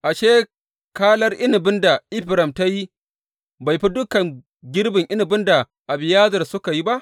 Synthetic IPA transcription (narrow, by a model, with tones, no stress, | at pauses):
ʔa˨ʃeː˦ | kaː˦lɐ˦rʔɪ˦nɪ˨bɪ˦nda˨ʔɪ˦ɸɪ˨ɾɐ˨mta˦ji˦ | ba˨jɸi˦dʊ˦kɐ˨ŋ | ɡʲɪ˦ɽbɪ˨ŋʔɪ˦nɪ˨bɪ˦nda˨ | ʔa˨bɪ˨jaː˦zɐ˨rsʊ˦ka˨ji˦ba˦ʔ